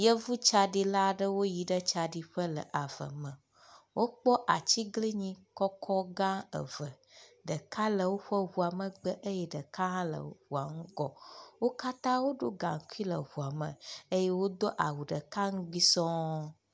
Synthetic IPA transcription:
jə˦vu˦t͡ʃa˨ɖi˨la˦ɖə˦wo˦ji˨ɖə˦t͡ʃa˨ɖi˨ɸə˦lə̰˨ʔa˨və̰˨mə̃˨ | wʔo˦k͡pɔ˦ʔa˨t͡ɕi˦ɡli˦ɲĩ˦kɔ˦kʰɔ˦ɡã˦ə̰˨və˨ | ɖə˨ka˦lə˨wo˦ɸə˦ɦu˨a˨mə˨ɡ͡bə˦ʔə˦jɛ˦ɖə˨kã˦lə̰˨ɸu˨a˨ŋũ˦ɡɔ˦wo˦ka˦t̪ã˦wo˦ɖo˦ɡa̰˨ŋ̩˨ku˦i˦lə̰˨ɦu˨a˨mə̰̃˨e˦jɛ˦wo˦d̪o˦ʔa˨wu˨ɖə˨ka˦ŋ̩˦ɡ͡bi˦sɔ̃˦

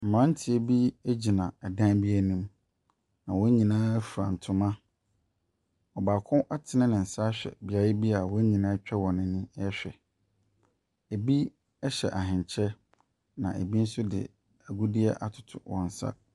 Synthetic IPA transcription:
m̩˨mã˦n̩˦tʰɪ˨˦e˨bi˦e˦d͡ʑi˨nã˨ɛ˨dã˦bi˦æ˨nĩ˦m | nã˨wɔ̃˦ɲĩ˨nãː˦fu˨ɾã˨n̩˨tʰʊ̃˨mã˦ | ɔ˨baː˨kʰʊ̃˦ʔa˦tʰɪ˨nɪ̃˦nɪ̃˨n̩˨sa˦ɕᶣɛ̰˨bɪ˨a˨jɪ˦bi˦a˨wɔ˦ɲĩ˨nãː˦t͡ɕᶣɛ˦wɔ̃˨nɪ̃˨nɪ̃˦ɛ˦ɕᶣɛ̰˨ | e˨bi˦ | ɛ˦ɕɛ̰˨ʔa˨ɦɪ̃˨ɲ˨t͡ɕʰɛ˦ | nã̰˨ʔḛ˨bi˦n̩˦sʊ˦dɪ̰˨ | æ˨ɡu˦di˦ɛ˦ʔa˨tʰʊ̥˨tʰʊ̰˨wɔ̰̃˨n̩˨sa̰˦

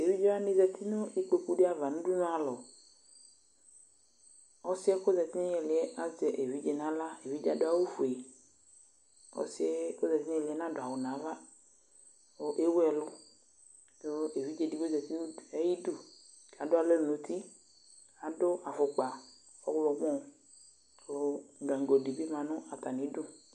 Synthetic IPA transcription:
e˨vi˦d͡ʒe˦a˦nĩ˦zɛ˨t̪ʰi˦nʊ̃˦i˦k͡pe˨ku˦ɖe˦a˨va˨nũ˦ɖu˦nũ˦a˨lɔ˨ | ɔ˦si˦ɛ˦ko˦zɛ˨t̪i˦nũ˦ɛ˨lɪ˨ɛ˦ʔa˦d͡ʒɛ˨ʔe˨vi˨˦d͡ʒe˨nã˦la˦e˨vi˦d͡ʒa˨dʊ˦a˦wo˦fu˨e˨ | ɔ̰˦si˦ɛ˦ko˦zɛ˨t̪i˦nũ˦ɛ˨lɪ˨ɛ˦nã˦dʊ˨a˨wʊ˨nã˨va˦ | o˨ʔe˦wɛ˨lʊ˦ | do˦e˨vi˨˦d͡ʒe˦di˦ɡo˦zɛ˨t̪i˦˨ɛ˦ji˦du˦ | ka˨dʊ˦a˦le˦˨nũ˨˦t̪ʰi˦ | a˨dʊ˦a˨fʊ˨k͡pa˨ | ɔ˦wlɔ˨˦mɔ̃˦˨ | lʊ˨ɡã˨ŋ˨ɡo˨di˨bi˦mã˨nʊ̃˦a˨t̪a˨nĩ˨˦dʊ˦

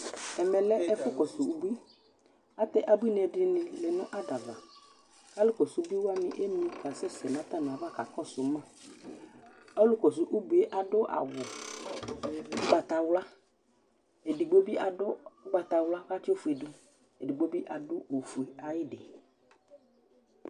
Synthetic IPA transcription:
ɛ˨mɛ˨lɛ˦ʔɛ˦fʊ˦kɔ˨sʊ˨u˦bu˦i˦ | a˦t̪ɛ˦˨ʔa˨bu˦i˦n˨ɛ˨dɪ˦nɪ̃˨lɛ˨nʊ̃˦ʔa˦da˨va˨ | ka˦lʊ˦kɔ˨sʊ˨˦bi˦wa˦mɪ̰̃˨ʔe˦mĩ˦ka˨sɛ˦sɛ˨nã˨˦t̪a˦˨nʊ̃˨a˨va˦˨ka˨kɔ˦sʊ˨˦mã˦˨ | a˦lʊ˦kɔ˨s̬ʊ˨ʔu˦bu˨˦e˦ʔa˨ɖʊ˦ʔa̰˨wʊ˨˦ | ɡ͡ba˨t̪a˨wla˦ | e˨di˨ɡ͡bo˦bi˦ʔa˨dʊ˦k͡pa˨t̪a˨wla˦ka˦tɪ˦o˦fu˨e˨dʊ˦ | e˨di˨ɡ͡bo˦bi˦ʔa˨dʊ˦o˨fu˨e˨a˨jɪ˦ɖɪ˨

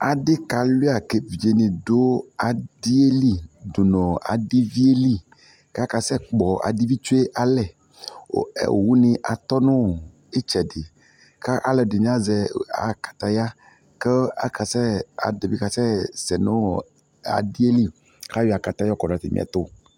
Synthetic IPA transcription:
a˨ɖe˦ka˨li˦a˨ke˨vi˨e˨˦nẽ˨do˦a˨di˦e˦li˦du˨nɔ̃˨a̰˨ɖi˦vi˦e˦li˦˨ | ka˦ka˨sɛ˦k͡pɔ˨a̰˨di˦vi˦t͡ʃu˦e˦ʔa˨lɛ˨ | o̰˨ḛ˨wu˦nĩ˨ʔa˨t̪ɔ˦nõ˦˨ | e˦t͡ʃɛ˨de˨ | ka˦ʔa˨lɛ˨de˨ɲ̃˦a˦zɛ˨a̰˨kḁ˨t̪a˦ja˦ | ke˦a̰˦ka˨sɛ˦a̰˨de˨vi˦ka˨sɛ˦sɛ˨nõ˦ | a̰˨di˦e˦li˦ | ka˦wi˦a˨ka˨t̪a˦jɔ˦kɔ˨ɖa˨t̪ḛ˨mḭ˦a̰˨t̪o˦

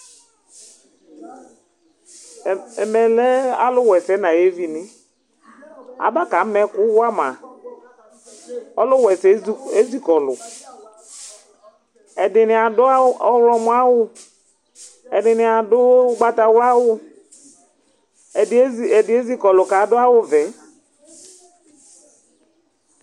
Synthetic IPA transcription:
ɛ˨mɛ˨lɛ˦a˦lʊ˦wɛ˨sɛ˨˦na˨je˦vi˨nɪ˦ | a̰˨ba˦ka˨˦mɛ˦kʊ˦wwa˦ma˨ | ɔ˦lʊ˦wɛ˨sɛ˨˦e˦zi˦kɔ˨lʊ̰˨ | ɛ˨dɪ˨nɪ˨a˨dʊ˦a˦ɔ˦wlɔ˨mʊ˦a˦wʊ˦ | ɛ˨dɪ˨nɪ˨a˨dʊ˦ɡ͡ba˦ta˨wla˦wʊ˦˨˦ | dɪ˨˦e˦zi˦kɔ˨lʊ˨ka˨˦dʊ˦a˦wʊ˦vɛ˨˦

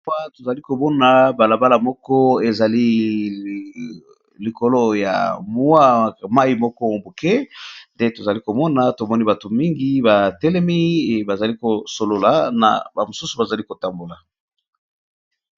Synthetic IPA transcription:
a˦to˨za˨li˦ko˨mɔ˦na˨ba˨la˨ba˦la˨mɔ˦kɔ˦e˨za˨li˦ | li˨ko˨lo˦ja̰˨mwa˦ma˦i˨mɔ˦kɔ˦˨bo˨kɛ˦nde˦to˨za˨li˦ko˨mɔ˦na˨to˨mɔ˦ni˦ba˨to˨mi˦ŋɡi˦ba˨tɛ˦lɛ˦mi˦˨ba˨za˨li˦ko˨so˨lo˨la˨na̰˨ba˨mo˨su˦su˨ba˨za˨li˦ko˨ta˨mbo˨la˨

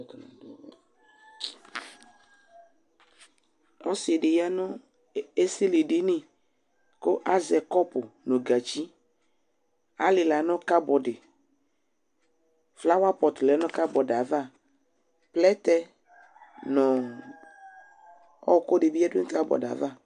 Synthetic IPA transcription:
ɔ˦sɪ˨ɛ˨dɪ˨ja˦nɔ˦ | e˦si˦li˨dɪ˦nɪ̃˦ | kʊ˦ʔa˦zɛ˨kɔ˦pʊ˨nɔ˨ɡa˨t͡ʃi˦ | a̰˦lɪ˨la˨˦nɔ̃˦ka˦bɔ˨dɪ˨ | fla˦wa˦pɔ˨tlɛ˨˦nɔ̃˦ka˦bɔ˨da˨va˦ | plɛ˦tɛ˦ | nɔ̃˨ | ɔ˦˨kʊ˦dɪ˨bi˦ɛ˦dʊ˦ka˦bɔ̰˨da̰˨va˦˨

